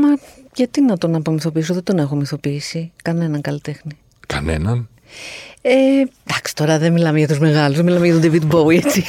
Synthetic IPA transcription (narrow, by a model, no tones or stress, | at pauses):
mɐʝɐt̪inɐt̪o̞nɐpomiθo̞piis̬oðed̪o̞ne̞xo̞miθo̞piisikɐne̞nɐŋkɐlit̪exni | kɐ̰nḛnɐn | ed̪ɐksi̥t̪o̞ɾɐðenmilɐmeʝɐt̪uzme̞ɣɐluzðemilɐmeʝɐt̪od̪evit̪bowiet͡si